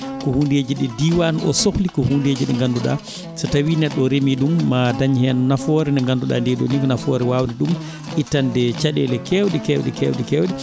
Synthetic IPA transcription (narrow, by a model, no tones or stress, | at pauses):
kɔhundeːd͡ʒiɗɛdiwanɔ̰soxlikɔhundeːd͡ʒiɗɛŋɡanduɗa̰ | satawinɛɗːɔɾemiɗumːadaɲhɛnnafɔɾɛnɛŋɡanduɗa̰ndɛɗɔ̰nikɔnafɔːɾɛwawniɗum | ʔitːandɛt͡ʃaɗɛ̰lɛkɛwɗɛkɛwɗɛkɛwɗɛkɛwɗɛ